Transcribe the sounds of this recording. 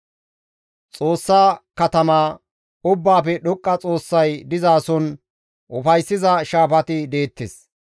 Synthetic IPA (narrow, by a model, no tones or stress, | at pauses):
t͡sʼoːsːaːkɐt̪ɐmaː | ʊbːaːpɛɗɔkʼːɐt͡sʼo̞ːsːɐjd̪ɪzaːsɔn | ʔʊfɐjsːɪzɐʃaːfɐt̪ɪd̪e̞ːt̪ːḛs